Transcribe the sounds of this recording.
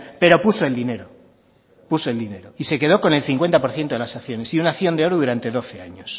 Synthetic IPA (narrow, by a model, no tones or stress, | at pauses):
pe̞ɾo̞puso̞e̞ld̪ine̞ɾo | puso̞e̞ld̪ine̞ɾoise̞ke̞ðo̞ko̞ne̞lθiŋkwe̞nt̪apo̞ɾθjent̪oelasaθjo̞ne̞siunaθjo̞nd̪eo̞ɾuðuɾant̪e̞ðo̞θe̞aɲos